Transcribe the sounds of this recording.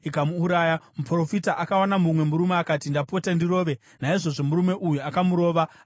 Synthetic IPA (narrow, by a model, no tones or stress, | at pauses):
ikamuːɾaːjamupro̞fitaʔakawanamumwe̞muɾumeakaːtindapotandiro̞ːʋe̞ | naiʐo̞ʐo̞muɾume̞ʔujuakamuɾo̞ːʋa